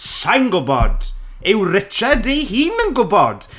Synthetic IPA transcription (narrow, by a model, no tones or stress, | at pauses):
sajnɡʊbɔ̰d̥ | ɪwrɪt͡ʃʰɛdejhiːnənɡʊbɔd̥